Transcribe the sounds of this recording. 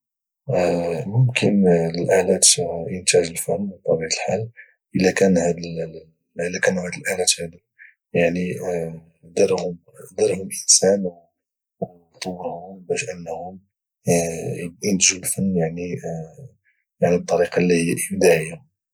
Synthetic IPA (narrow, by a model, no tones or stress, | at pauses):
mʊmkʰənəlʔaʕlæt̪ʔənt̪æʒəlfænːwt̪ˤɑbiʕt̪əlħal | ʔəlːækænhæd̪əl | ʔəlːækænuhæd̪əlʔaʕlæt̪hæd̪u | jaʕni | d̪əɾhʊm | d̪əɾhʊmlʔənsænw | w | t̪ˤowːɾhʊmbæʃʔənːhʊm | jənd̪ʒulfənːjaʕni | jaʕnib̚t̪ˤːɑɾiqɑlːihjːʔəd̪æʕəjːa